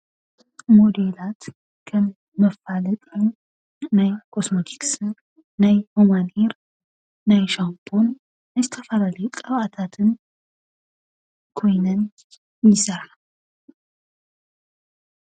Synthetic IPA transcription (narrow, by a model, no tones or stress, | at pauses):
mod̪elat̪ | kʰə | məfalət̪ʼenː | ajkʰosmot̪ʰi̥ksɨnː | ajhomaneɾː | ajʃampʰʼonː | əzt̪ʰəfalalek̪ʼəβat̪ʰat̪ʰɨn | kʰo̞jnən | jɪsəɾal